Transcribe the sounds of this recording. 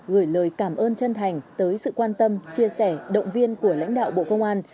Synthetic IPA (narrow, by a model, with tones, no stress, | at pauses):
ɣɨː˧˩jləː˨˩jkaː˧˩mʔəː˧nt͡ɕə˧nt̪ʰa˨˩jŋ̟t̪əː˨˦jsɨ̰˧˨kwaː˧nt̪ə˧mt͡ɕi˧əsɛ˧˩ɗə̰˧˨wŋ͡mvi˧ənku˧˩əla̰˧˥jŋ̟ɗa̰ː˧˨wɓo̰˧˨kə˧wŋ͡mʔaː˧n